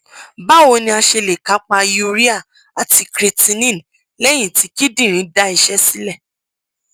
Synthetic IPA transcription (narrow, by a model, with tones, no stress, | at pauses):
ba˦˨wo˧nĩ˧˦a˧ʃe˧le˨ka˨˦k͡pa˧ju˦˧ɾi˦a˦˨ | a˨ti˧kɾe˧tĩ˧nĩ˦˨n | lɛ˦j̃ĩ˦˨ti˧˦ki˦dĩ˦˨ɾ̃ĩ˨˦da˧˦i˧ʃɛ˦si˦lɛ˦˨